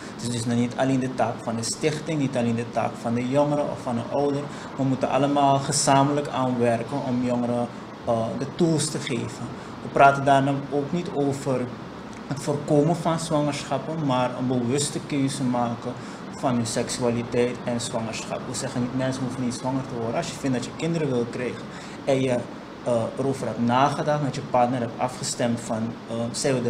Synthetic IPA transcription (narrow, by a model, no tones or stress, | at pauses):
d̥əsdəsnɔnitaleːndətaːkfɑndəstɪχtɪŋnitaleːndəta̰ːkfɑndəjɔŋəɾəɔ̰fɑndə̰ʔɔwdər | ʋəmutənʔɑ̰ləmaːlˠχəzaːmələkaːnʋɛrkənʔɔmjɔŋəɾə | dətulˠstəχeːvə | ʋəpraːtəndaːrnaoːknitoːfər | hətfoːrkoːmənfɑnsʋaŋərsxɑpəmaːrənbəʋɵstəkøːzəmaːkə | fɑnənsɛksyalitɛjtɛnsʋɑŋərsxɑ̰pʋəsɛxənitmɛnsənɦufənitsʋɑŋərtəʋɔrdəɑsjəfɪntdɑtjəkɪndəɾəʋɪlˠkrɛjɣən | ɛnjə | əɾoːvərɦɛpnaːχədɑχtdɔtjəpɑrtnərɦɛp̚ɑfχəstɛmtfɑnsɛjʋə